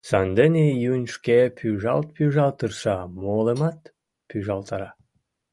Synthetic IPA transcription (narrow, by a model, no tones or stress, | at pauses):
sɑnd̪enʲejunʲʃkepʰʲyʒɑ̰lt̪̚pyʒɑlt̪ərʃɑmolemɑt̪ | pyʒɑlt̪ɑɾɑ